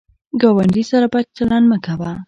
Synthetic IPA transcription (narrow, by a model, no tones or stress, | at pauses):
ɡɑwaɳɖisaɾabat͡ʃ̚t͡ʃalɑnməkawa